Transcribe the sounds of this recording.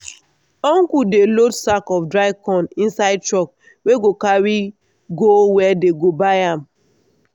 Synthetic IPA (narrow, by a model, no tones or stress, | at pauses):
ɔ̃ŋkudelotsakɔfdɹaɪkɔ̃nĩnsaɪd̚tɹɔk̚ | weɡokaɹi | ɡowɛdeɡobajãm